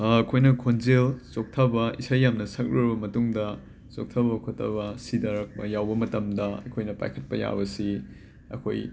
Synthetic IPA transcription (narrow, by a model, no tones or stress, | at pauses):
ɐkʰojnɐkʰonzelt͡ʃok̚tʰɐbɐisajːamnɐsɐk̚ɾiɾbɐmɐtuŋdɐ | t͡ʃok̚tʰɐbɐkʰotʰːɐ̰bɐsidɐɾɐk̚pɐjawbɐmɐtɐmdɐɐ̰kʰojnɐpa̰jkʰɐt̚pɐja̰bɐsi | ɐ̰kʰo̰j